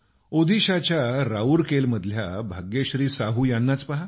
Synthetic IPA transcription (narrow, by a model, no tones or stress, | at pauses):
od̪ʱiɕat͡ɕjaɾauɾkelməd̪ʱljabʱaɡjeɕɾiːsaɦuːjanːat͡spaɦa